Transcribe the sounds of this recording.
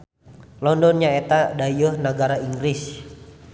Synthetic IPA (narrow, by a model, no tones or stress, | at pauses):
lɔndɔnɲaet̪adajəhnaɡaɾaiŋɡɾis